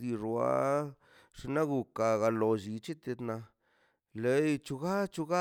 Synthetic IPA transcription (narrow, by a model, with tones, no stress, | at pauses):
d̪i˧ʐwa̰˦ | ʂe˧na˦ɡu˧ka˧ɡa˧lo˧ʒi˧t͡ʃi˦t̪e˧d̪na˧ | le˨jt͡ʃu˧ɡa˦t͡ʃu˧ɡa˦